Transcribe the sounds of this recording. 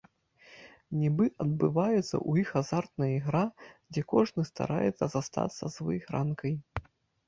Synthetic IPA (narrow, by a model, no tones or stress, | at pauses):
nʲɛbɨʔɐd̪̚bɨvajɛt̪sːɐ̰ʔujixazart̪nɐiɣɾad͡zʲɛkɔʐnɨst̪a̰ɾa̰jɛt̪sɐzast̪a̰t̪sːɐzvɨxɾankɐj